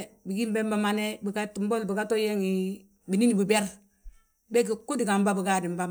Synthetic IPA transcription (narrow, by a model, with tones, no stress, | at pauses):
bi˨ɡi˦mbɛ˦mba˦ma˦nɛ˦bi˨ɡa˦tu˨mbɔ˦lbi˨ka˦to˦je˦ŋi˨ | bi˨ni˦ni˨bi˨bɛ˦ɾ | bɛ˦ki˨ku˦di˨ɡa˨mba˦bi˨ɡa˦di˨mba˦